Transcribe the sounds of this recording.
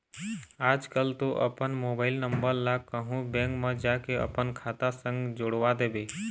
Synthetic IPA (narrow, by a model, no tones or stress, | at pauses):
aːd͡ʒkəlt̪oʔə̰pənmobaːɪlnəmbəɾlakəɦũbɛ̃ŋkmə̃d͡ʒakeə̰pənkʰat̪asə̃ŋɡd͡ʒoɽʋad̪ebe